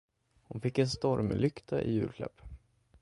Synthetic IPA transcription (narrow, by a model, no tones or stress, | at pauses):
hʊnfɪkːɛnst̪ɔɾmlʏkt̪ʰaʔɪ̰jʉ̟ːɾkʰlɛ̰pː